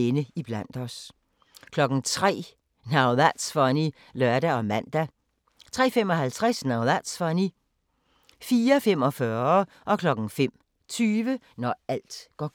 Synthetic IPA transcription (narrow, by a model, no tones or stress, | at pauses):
enəib̥læn̰d̥ɒ̽s | kʰlɒ̽ɡ̥n̩t͡sʰʁɛ̰ː | nɑ̈ʊðæd̥sfɒni | lœɐɾæɒ̽mæn̰d̥æ | t͡sʰʁɛ̰ːfem̰ɒ̽hælt͡sʰʁɛsnɑ̈ʊðæd̥sfɒni | fiːɐfem̰ɒ̽fɶɐ | ʔɒ̽kʰlɒ̽ɡ̥n̩fem̰ | t͡sʰyːʋə | nɒæl̰d̥ɡ̥ɒ